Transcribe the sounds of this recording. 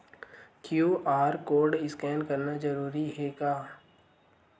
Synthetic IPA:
kjuːʔaːɾkoːɾɖɪskɛːnkɐɾnad͡ʒɐɾuːɾiɦɛɡaː

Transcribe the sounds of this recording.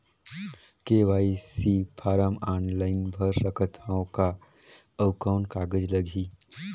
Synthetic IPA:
keːʋaːisipʰaːɾamaːnlaːɪnbʱəɾɾəkʰət̪ʰaõka | əʊkaːnkaːɡəd͡ʒləɡʱi

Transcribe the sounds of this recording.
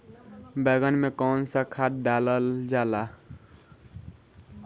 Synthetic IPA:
bɛːɡənmekɔːnsakʰat̪̚ɖaləld͡ʒaːla

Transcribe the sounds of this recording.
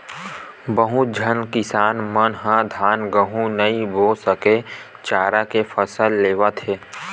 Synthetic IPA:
bəɦũd͡ʒʱənkɪsaːnmənɦãd̪ʱaːnɡəɦũnəɦĩbʱoːsəke | t͡ʃaːɾakefəsəlːeːʋət̪ɦeː

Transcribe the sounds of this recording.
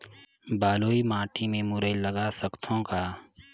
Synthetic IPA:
baːloːimaːʈimẽmʊɾələɡaːsəkt̪ʰõkaː

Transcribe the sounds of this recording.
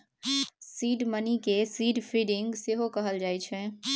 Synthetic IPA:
siːɖmənikesiːɖpʰiɖɪŋɡseɦokəɦəld͡ʒaːɛt͡ʃʰɛ

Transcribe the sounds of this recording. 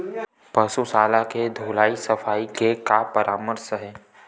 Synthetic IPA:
pɐsusaːlaked̪ʱoːlaːisɐfaːikekapəɾʔaːməɾsɦɛː

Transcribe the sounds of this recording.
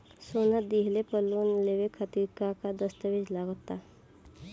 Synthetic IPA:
sonad̪iɦlepəlːuːnleʋekʰət̪iɾkakad̪əst̪əʋid͡ʑlaɡot̪a

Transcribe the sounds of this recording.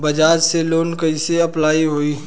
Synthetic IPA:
bɐd͡ʒaːd͡ʒseloːnkɐiseɐplaːiɦoːiː

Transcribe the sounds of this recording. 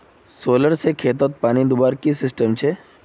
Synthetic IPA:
soːləɾsekʰeːt̪̬ət̪̚paːnid̪ʊbaːɾkisɪsʈəmt͡ʃʰe

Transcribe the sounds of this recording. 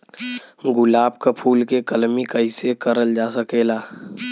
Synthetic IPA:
ɡʊlaːb̚kapʰuːlkekəlmikəɪsekəɾəld͡ʒaːsəkeːlaː

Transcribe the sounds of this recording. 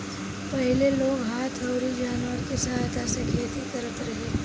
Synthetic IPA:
pɐɦɪleloːɡɦaːt̪ʰɐʊɾid͡ʒaːnʋəɾkisɐɦaːjt̪ʰasekʰeːt̪ikɐɾət̪ɾɐɦe

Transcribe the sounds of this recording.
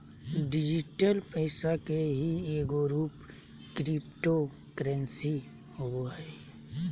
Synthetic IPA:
ɖɪd͡ʒɪʈəlpəɪsakeɦieːɡoɾuːp | kɾipʈo | kəɾɛ̃nsi | hoɡoɛ

